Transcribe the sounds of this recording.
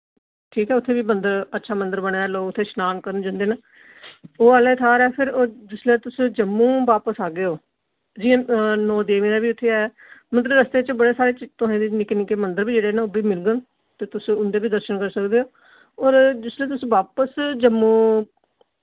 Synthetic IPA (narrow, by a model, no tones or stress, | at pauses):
ʈʰiːkɦɛːʊt̪ʰːeːbiːmənd̪əɾətːʃʰaːmənd̪əɾbəɳ̃eɛːloːɡʊt̪ʰːeːʃnaːnkəɾənd͡ʒãːnd̪eːna | oːaːlãːt̪ʰaːɾɛːpʰɪɾoːd͡ʒɪsleːt̪ʊsd͡ʒəmːũːʋaːpəsaːɡeːoː | d͡ʒĩːnɔːd̪eːʋĩːnaːbiːʊt̪ʰːeːɛː | mənt̪ləbɾəst̪eːt͡ʃbəɽeːsaːɾeːt͡ʃt̪ʊɦẽːd̪eːnɪkːnɪkeːmənd̪əɾbiːd͡ʒeːɽeːnãoːbiːmɪlɡən | t̪eːt̪ʊsʊnd̪eːbiːd̪əɾʃəɳkəɾsəkd̪eːoː | ɔːɾd͡ʒɪslẽːt̪̬ʊsʋaːpəsd͡ʒəmːũː